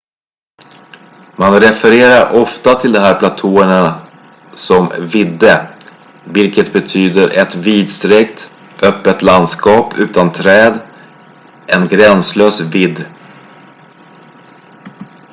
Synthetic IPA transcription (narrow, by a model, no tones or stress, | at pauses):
manɾɛfɛɾeːɾaɾʔɔft̪at̪ʰɪld̪ɔɦæːɾpʰlat̪ʰuːəɳa | sɔmvɪd̪ːə | vɪlkət̪bɛt̪ʰyːd̪əɾʔɛt̪viːd̪st̪ɾɛkt̪ | ʔœpːət̪land̪skɑːpʉ̟ːt̪ant̪ʰɾɛːd̪ | ʔɛnɡɾɛnsløːsvɪd̪ː